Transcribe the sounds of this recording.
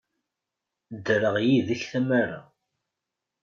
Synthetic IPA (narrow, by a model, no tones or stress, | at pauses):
d̪ɾəʁjiðəçθæmaɾa̰